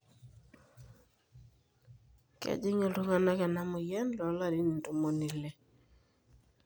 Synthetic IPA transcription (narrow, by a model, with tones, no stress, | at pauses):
kɛ̰˨d͡ʒɪ˦ŋo˨lu˦ŋa˦˨na˦kɛ˨na˦mʊ˨jɛ˦nlɔ˨˦la˦˨ɾi˦ni˨n˨tu˦mo˨ni˨lɛ˨